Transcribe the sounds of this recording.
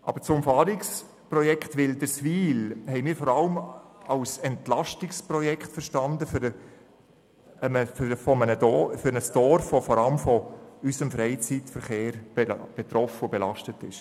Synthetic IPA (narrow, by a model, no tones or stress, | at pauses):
ʔɑ̰b̥əɾt͡sʊmfɑːɾɪks | prɔjɛkχtʋɪldəsviːlhɛɪmiːɾfɔːɾɑləmɑʊsɛntlɑʃtɪksprɔjɛkχtfəʃtɑndəfɾə | məffɔmənədɔfʏɾnəsd̥ɔɾfʋofɔɾɑləmfɔysəmfɾɛɪt͡sitfəɾχeːɾb̥eb̥et̪ɾɔfəobɛlɑʃtətɪʃ